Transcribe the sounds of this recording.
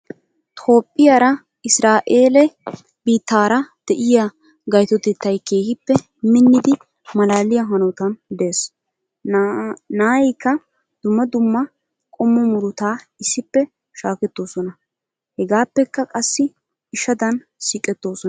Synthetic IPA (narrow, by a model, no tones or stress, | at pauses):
t̪ʰo̞ːpʼːɪjaːɾɐ | ɪsɾaːʔeːlɛ | biːt̪ːaːɾɐd̪̥ɛʔɪja | ɡɐjt̪ɔt̪ɛt̪ːɐjke̞ːhɪpːɛ | mɪnːɪd̪ɪ | mɐlaːlɪjɐɦɐnɔt̪ɐnd̪e̞ːs | naːjɛjkːɐ | d̪̥ʊmːɐd̪ʊmːɐ | kʼɔmːɔmʊɾʊt̪aː | ɪsːɪpːɛ | ʃaːkɛt̪ːo̞ːsɔnɐ | hɛɡaːpːɛkːɐkʼɐsːɪ | ɪʃɐd̪ɐn | siːkʼɛt̪ːo̞ːsɔn